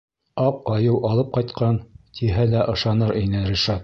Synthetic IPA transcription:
ɑq̚ɑjɤwʔɑlˠɤp̚qɑjt̪̚qɑnt̪ʰiɦælæʔɤ̆ʃɑnɤɾʔinɘɾʲiʃɑt̪̚

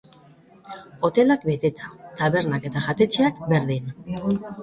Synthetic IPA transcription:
o̞t̪e̞lak̚be̞t̪e̞t̪ḁt̪aβe̞ɾnake̞t̪aʝat̪e̞t͡ʃeakbe̞ɾðin

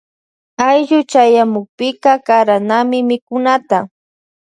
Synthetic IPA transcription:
ajʎʊt͡ʃajamʊk̚pɪkakaɾanamɪmɪkʊnat̪a

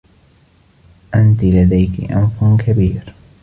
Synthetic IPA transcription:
ʔant̪ɪlad̪ajkɪ̰ʔa̰mfʊkʰabiːɾ

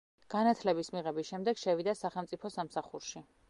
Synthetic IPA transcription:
ɡ̥anat̪ʰlɛbismiʁɛbisʃɛmd̪ɛɡ̥ʃɛvid̪asaχɛlˠmt̪sʼipʰɔsamsaχuɾʃi

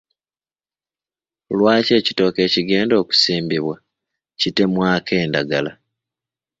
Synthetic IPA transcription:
lwaːce̞ːcito̞ːke̞ːciɡe̞ːndo̞ːku̥siːmbiβwa | cite̞mwaːkʰe̞ːndaɡala

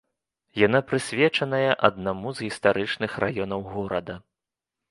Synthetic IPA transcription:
jan̪apɾɨsʲvʲɛt͡ʂɐnɐjɐʔɐd̪namuzɣʲist̪aɾɨt͡ʂnɨxrʔajɔnɐwɣɔɾɐd̪ɐ

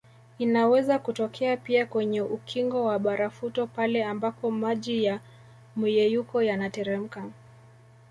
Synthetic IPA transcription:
inawɛzakutɔkʰɛapiakwɛɲɛʔukʰiŋɡɔwaɓaɾafutɔpalɛambapɔmaʄija | mujɛjukɔjanatɛɾɛm̩ka

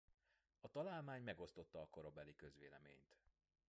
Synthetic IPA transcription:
ɒt̪ɒlaːlmaːɲmɛɡo̞st̪ot̪ːɒːko̞ɾo̞bɛlikø̞zʋeːlɛmḛːɲt̪

